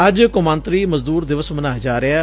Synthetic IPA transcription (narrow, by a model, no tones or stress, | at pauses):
əd͡ʒkʊmãːnt̪ɾiːməzd̪uːɾd̪ɪʋəsmənaːd͡ʒaːɾɪaː